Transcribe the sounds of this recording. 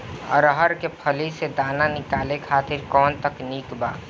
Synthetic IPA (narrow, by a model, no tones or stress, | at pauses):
ə̰ɾəɦəɾkepʰəlised̪aːnanɪkaːlekʰaːt̪ɪɾkɔːnt̪əkniːkba̰ː